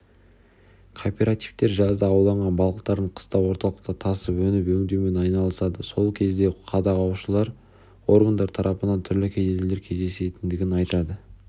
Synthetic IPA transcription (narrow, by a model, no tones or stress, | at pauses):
kʰo̞pʲe̞ɾat̪ijft̪e̞ɾʒɑzd̪əːwlˠɑɴʁɑnbɑlˠʁəqt̪ɑɾd̪əɴqʰə̥st̪ɑwo̞ɾt̪ɑlˠəq̚t̪ət̪ʰɑsəpwɵnɪpwɵŋd̪ewme̞nɑjnɑlˠəsɑd̪əso̞lˠkʲʰe̞zd̪e̞qʰɑd̪ɑʁɑwʃəlˠɑɾ | wo̞ɾɡand̪ɑɾt̪ʰɑɾʔɑpənɑnt̪ʰʏɾlɪkʲʰed̪elele̞ɾkʲʰe̞zd̪e̞se̞t̪ɪnd̪ɪɡʲɪnɑjt̪ɑd̪ə